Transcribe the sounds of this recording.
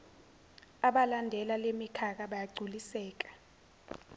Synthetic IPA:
aɓalandʱɛlalemikʰak̬aɓajaɡ͡ǀʱulisɛːk̬ḁ

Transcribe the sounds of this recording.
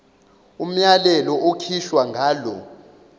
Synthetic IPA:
um̩jalɛlɔʔokʰiʃwaŋɡʱaːlɔ̰

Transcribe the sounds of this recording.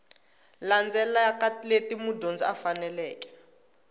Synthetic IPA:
land͡zɛlaakatiletimudʱond͡ziafanɛlɛːkɛ̥

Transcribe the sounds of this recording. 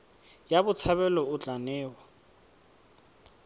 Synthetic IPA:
jabʊt͡sʰaβɛlɔʊt͡ɬanɛːwɔ

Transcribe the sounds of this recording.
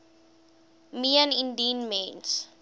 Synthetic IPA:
miənĩndinmẽns

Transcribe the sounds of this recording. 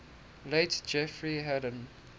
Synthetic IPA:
leɪtd͡ʒɛfɹiɦɛɾə̃n

